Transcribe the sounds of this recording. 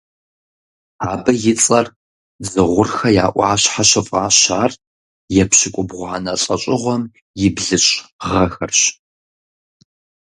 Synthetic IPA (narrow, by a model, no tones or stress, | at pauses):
aːbɐjɪt͡sʼɐr | d͡zɨʁʷʊrxɐja̰ːʔʷɑ̰ːɕħaɕɨfʼaːɕaːr | jɛpɕɪkʷʼʊbʁʷanɐɬʼɐɕʼɪʁʷɔm | jɪbɮɨɕʁɐxɐrɕ